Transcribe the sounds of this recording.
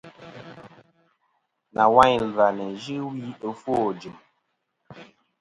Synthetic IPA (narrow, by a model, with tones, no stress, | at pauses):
na˨wa˦ɲlva˨nɛ˨ʒi˦wi˦ə˨fo˦˨d͡ʒi˨m